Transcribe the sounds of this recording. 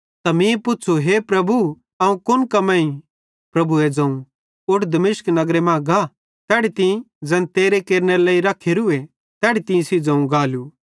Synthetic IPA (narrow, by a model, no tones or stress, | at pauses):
t̪ɐmĩepʊtːt͡ʃʰoɦepɾɐbu | ɐũkʊnkɐmɛ̃ĩ | pɾɐbued͡zɐ̃ũ | ʊʈʰd̪ɐmɪʃknɐɡɾemãːɡa | t̪ɛːɽit̪ɪ̃ĩ | d͡zɛ̃nt̪eːɾekeːɾneɾeleːiɾɐkʰeːɾue | t̪ɛːɽit̪ĩĩsid͡zɐ̃ũɡaːlu